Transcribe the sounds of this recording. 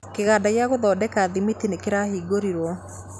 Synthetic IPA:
keɣaːdaɣjaɣoðɔːdɛkaːðimitinekeɾahiːɡoɾiɾwɔ

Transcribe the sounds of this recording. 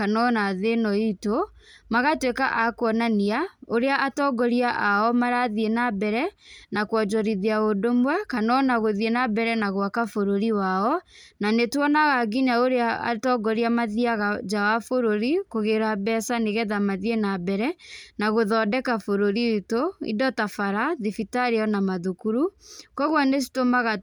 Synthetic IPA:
kanɔnaðenɔito | maɣatwekaʔakwɔnaniaoɾeaʔatɔɡɔɾiaʔaɔmaɾaðienabɛɾɛnakwɔd͡ʒɔɾiðiaodomwɛkanɔnaɣoðienabɛɾɛnaɣwakafoɾoɾiwaɔnanetwɔnaɣaɡiɲaoɾeaa̰tɔɡɔɾiamaðiaɣad͡ʒawafoɾoɾikoɣeɾabɛsaneɣɛðamaðienabɛɾɛnaɣoðɔdɛkafoɾoɾitoḭdɔtafaɾaðifitaɾeɔnamaðukuɾukɔɣwanes̬i̥tomaɣa

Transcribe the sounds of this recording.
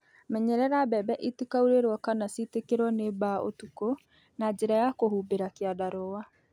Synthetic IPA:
mɛɲɛɾɛɾabɛbɛʔitikauɾeɾwɔkanasitekeɾwɔnebaʔo̰tuko | nad͡ʒeɾajakohuːbeɾakeadaɾowa

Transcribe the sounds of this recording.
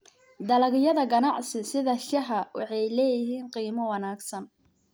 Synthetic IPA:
d̪ɐlɐɣɪjɐðɐɡɐnɑʕsɪsɪðɐʃɐɦɐwɑ̰ħɑjlɛːjɪɦiːnqiːmɐwɑnaːɡsɐn

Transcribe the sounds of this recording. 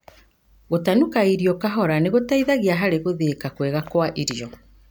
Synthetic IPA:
ɣotanukaiɾiɔkaɦɔɾaneɣotaiðaɣiaɦaɾeɣoðekakwɛɣakwaʔiɾijɔ

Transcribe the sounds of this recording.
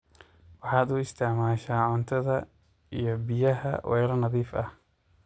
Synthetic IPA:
wɑħɑːd̪ʊɪst̪ʰɛʕmaːʃaːʕʊnt̪ʰɐðɐ | ijɞbɪjɐɦɐ̰wʔɛ̰jɾɐnɐðiːfɐh

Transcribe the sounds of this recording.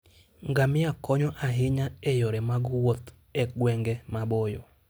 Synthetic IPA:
ŋɡamɪakɔɲɔʔaɦɪɲaɛjɔɾɛmaɡwot̪ | ɛɡwɛŋɡɛmabɔjɔ

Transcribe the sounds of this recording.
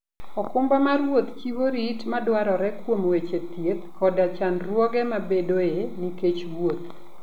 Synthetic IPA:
ɔkʊmbamaɾwot̪t͡ʃiwoɾitmadwaɾɔɾɛkwomwet͡ʃet̪jet̪̚kɔdat͡ʃanrwɔɡɛmabedoeniket͡ʃwot̪̚

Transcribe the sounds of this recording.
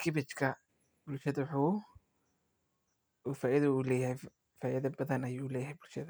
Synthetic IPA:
kʰɪbɪt͡ʃkʰɐ | bʊlʃɐðɐwħuː | uːfaːɪðɐuːlɛːjɐhɛj | faːʔɪðɐbɐðɐnɐjuːlɛːjɦɛjbʊlʃɐðɐ

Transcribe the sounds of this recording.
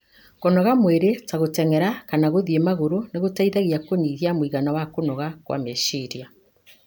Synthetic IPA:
kɔnɔɣamweɾetaɣotɛŋɛɾakanaɣoðiemaɣoɾoneɣotaiðaɣiakoniːɣiamwiɣanawakonɔɣakwa̰meʃiɾja

